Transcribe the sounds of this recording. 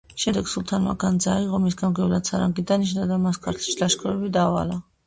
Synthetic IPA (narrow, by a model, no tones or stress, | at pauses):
ʃɛd̪ɛɡ̥sulˠt̪ʰanma̰ɡand̪zaiʁɔmisɡamɡɛvlat̪sʰaɾaŋɡid̪aniʃnad̪amaskʰaɾt̪ʰʃilaʃkʰɔɾɛbid̪aːva̰la